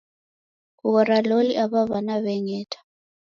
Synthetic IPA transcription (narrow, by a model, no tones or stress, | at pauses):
kuɣɔɾaloliʔaβaβanaβɛŋɛːtʰʼḁ